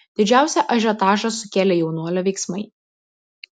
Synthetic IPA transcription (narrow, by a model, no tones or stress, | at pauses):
d̪̥ʲɪd͡ʒʲæˑʊsʲɛʔɐʒʲɛt̪ɑːʒɐsʊkʲeːlʲɛjɛʊnuɔlʲɛʋʲɛɪksmɐɪ